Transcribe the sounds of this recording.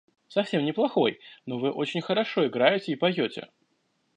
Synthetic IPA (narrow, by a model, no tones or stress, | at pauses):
sɐfsʲemnʲɪplˠɐxo̞jno̞vɨʔo̞t͡ɕɪnʲxəɾɐʂo̞ɪɡɾajɪtʲɪipɐjotʲɪ̰